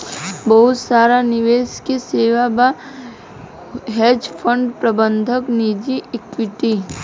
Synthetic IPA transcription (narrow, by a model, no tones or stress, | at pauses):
bɐɦʊt̪saːɾanɪʋeːskeseːʋaba | ɦɛːd͡ʒpʰə̃ɳɖpɾɐbə̃nd̪ʱəknid͡ʒiɪkwɪʈi